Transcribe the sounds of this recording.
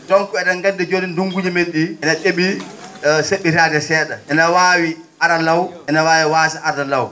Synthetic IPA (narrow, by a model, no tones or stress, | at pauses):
dɔŋkɛɗaŋɡandɛd͡ʒodinduŋɡud͡ʒimelɗiʔɛnaɗeɓi | seɓːiɾaːdɛsɛːɗaʔɛnawaːwi | aɾalawʔɛnawaːwiwaːsaaɾdalaw